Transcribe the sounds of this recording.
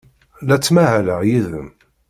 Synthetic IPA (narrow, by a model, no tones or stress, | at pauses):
læt͡sːmæhæləjiðə̰m